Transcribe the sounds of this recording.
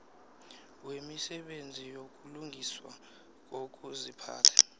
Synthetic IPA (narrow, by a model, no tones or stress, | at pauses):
wemisɛɓend͡zʱijok̬ʼuluŋɡʱiswa̰ | k̬ok̬ʼuzipʰa̰ːtʰḁ